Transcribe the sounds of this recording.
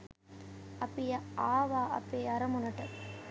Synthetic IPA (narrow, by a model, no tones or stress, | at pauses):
ɐpːɪjɐaːʋaːɐ̰pːeːɐɾɐmʊnɐʈːɐ